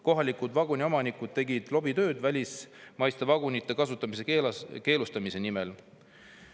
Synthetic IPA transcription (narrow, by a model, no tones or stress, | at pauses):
ko̞ɦɑlikud̪vɑɡunʲio̞mɑnikud̪̥̚t̪e̞ɡid̪̥lo̞bit̪ø̞ːd̪̥vælʲismɑjst̪evɑɡunit̪ˑːe̞kɑs̬ut̪ːˑɑmise̞ke̞ːlust̪ɑmise̞nimel